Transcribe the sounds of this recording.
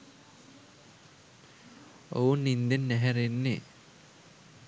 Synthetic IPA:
o̰unːind̪enːæɦæɾenːe

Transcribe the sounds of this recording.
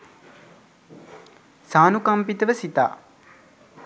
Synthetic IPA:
saːnukampit̪əʋəsit̪a̰ː

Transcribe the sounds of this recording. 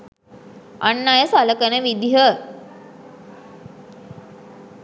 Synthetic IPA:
anːajəsaləkənəʋid̪iɦə

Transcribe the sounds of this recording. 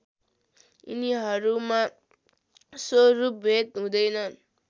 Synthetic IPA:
ḭniɦʌɾuma | sorup̚bʱet̪ɦũd̪ʌjnʌn

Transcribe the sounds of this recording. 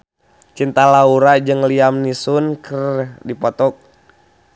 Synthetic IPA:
t͡ʃint̪alauɾad͡ʒɨŋliamnisunkʰərdipɔt̪ɔk̚

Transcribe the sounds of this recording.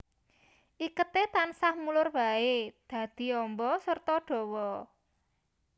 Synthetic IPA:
ʔikət̪et̪ansahmulʊrbaed̪̥ä̤d̪̥i̤ɔmbɔsərt̪ɔɖ̥ɔ̤wɔ

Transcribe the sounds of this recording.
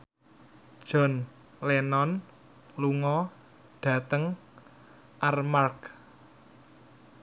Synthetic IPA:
d̥ʒ̥ɔ̤n | lenɔn | luŋɔ | ɖ̥ä̤t̪əŋ | ʔarmark

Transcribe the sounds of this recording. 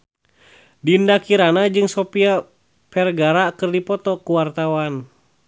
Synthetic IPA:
dindakiɾanad͡ʒɨŋsɔpia | pɛrɡaɾakɨrdipɔt̪ɔkuwart̪awan

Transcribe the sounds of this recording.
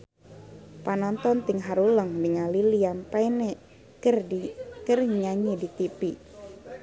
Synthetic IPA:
panɔnt̪ɔnt̪iŋɦaɾuləŋniŋaliliampaine | kərikərɲaɲidit̪ipi

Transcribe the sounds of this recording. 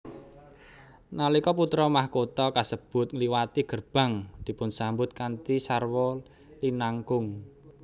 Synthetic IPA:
nalikɔput̪ɾɔmahkot̪ɔkasəb̥ʊ̤t̪̚ŋliwat̪iɡ̥ərb̥a̤ŋd̪̥i̤pʊnsambʊt̪̚kant̪isarwɔ | linaŋkʊŋ

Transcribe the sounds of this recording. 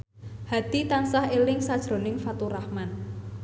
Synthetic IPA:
had̪̥it̪ansahelɪŋsad̥ʒ̥ɾo̤nɪŋfat̪uɾahman

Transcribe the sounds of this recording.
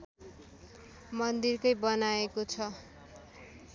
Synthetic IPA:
mʌnd̪irkʌjbʌnaekot͡sʰʌ

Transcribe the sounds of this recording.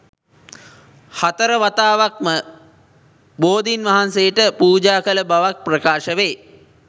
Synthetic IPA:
hat̪əɾəʋat̪aːʋak̚mə | boːd̪inʋaɦansejəʈəpuːd͡ʒaːkələbaʋak̚prəkaːʃəʋeː

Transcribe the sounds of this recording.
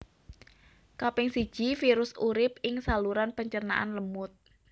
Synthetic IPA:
kapɛŋsi̥ʒ̥ifiɾʊsuɾɪp̚ɪŋsaluɾanpəɲt͡ʃərna̰ʔanləmʊt̪̚

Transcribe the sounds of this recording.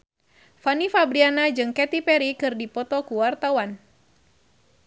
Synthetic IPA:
fanifabɾianad͡ʒɨŋkɛt̪ipɛɾikɨrdipɔt̪ɔkuwart̪awan

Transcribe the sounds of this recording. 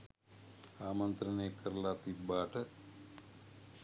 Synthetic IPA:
aːmɐnt̪ɾɐneːkɐɾlat̪id̪̚baːʈə

